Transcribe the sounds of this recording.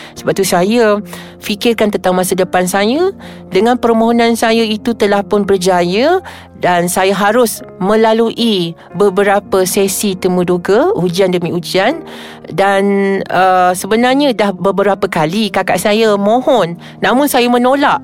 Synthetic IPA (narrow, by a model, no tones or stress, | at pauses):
sə̥bap̚t̪usaja | fikɪrkant̪ənt̪aŋmasadəpansaja | dəŋãnpərmoɦonansajait̪ut̪əlahpʊnbərd͡ʒajə | dansajaɦaɾʊsmə̃laluʔi | bəbəɾapəsɛsit̪əmuduɡəud͡ʒiandəmĩud͡ʒian | danəsəbənarɲədahbəbəɾapəkalikaka̰ʔsajamõhɔnː | ãmʊnsajamə̃nolaʔ